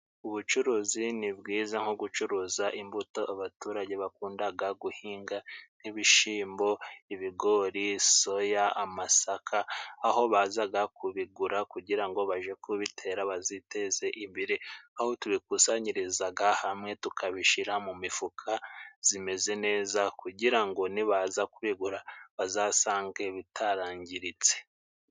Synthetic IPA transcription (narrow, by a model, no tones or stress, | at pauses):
uβut͡ʃuɾuːzinibɡiːzaŋ̥oɡut͡ʃuɾuːzaʔimbuto̞ʔaβatuːɾaɟe̞βakuːndaɡaɡuhiːŋɡan̥iβiʃiːmbo̞iβiɡo̞ɾiso̞jaamasakʰaːɦo̞βaːzaɡakʰuβiɡuɾakuɟiɾaŋɡo̞βaʒe̞kʰuβitʰe̞ɾaβazite̞ze̞ʔiβiɾeaho̞tuβik̚usaɲiɾizaɡahamŋe̞tukʰaβiʃiɾamumifukʰaz̥ime̞ze̞ne̞ːzakuɟiɾaŋɡo̞niβazakuβiɡuɾaβazaːsaːŋɡe̞βitʰaɾaːɲɟiɾit͡se̥